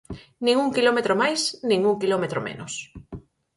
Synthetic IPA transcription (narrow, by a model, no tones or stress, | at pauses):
nĩŋuŋkilomet̪ɾomajsnĩŋuŋkilomet̪ɾomḛnʊs